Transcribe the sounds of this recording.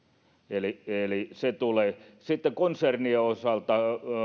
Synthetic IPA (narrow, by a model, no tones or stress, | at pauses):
elieliset̪uleːsit̪ːekonsernieosɑlt̪ɑ